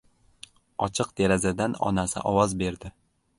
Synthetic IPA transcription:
ɒt͡ʃʰɨq̚d̪eɾazad̪anɒ̰nasɪ̰ʔɒwɒzbe̞ɾd̪ɪ

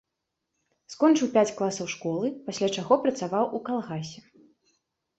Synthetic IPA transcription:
skɔnt͡ʂɨwpʲat͡sʲklˠasɐwʂkɔlˠɨpasʲlʲat͡ʂaɣɔpɾɐt̪savawʔukalˠɣasʲɛ

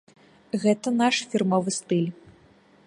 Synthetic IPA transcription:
ɣɛt̪ɐnaʂfʲirmɔvɨst̪ɨlʲ

